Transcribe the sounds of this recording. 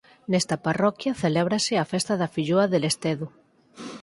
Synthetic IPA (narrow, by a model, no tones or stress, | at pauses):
nest̪aparɔkjɐθelɛβ̞ɾaseafest̪aðɐfiʎoaðelest̪eðu